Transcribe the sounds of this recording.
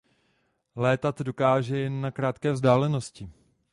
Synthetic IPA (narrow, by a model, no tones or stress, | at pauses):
lɛːt̪at̪do̞kaːʒɛjɛnːakɾaːt̪kɛːvzdaːlɛno̞scɪ